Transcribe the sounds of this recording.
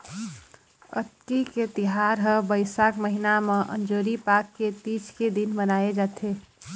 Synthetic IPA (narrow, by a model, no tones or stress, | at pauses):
ə̰t̪kiket̪iɦaɾɦəbəɪsakməɦinamẽʔə̰nd͡ʒoːɾipakːet̪it͡ʃked̪inbənaed͡ʒaːt̪ʰe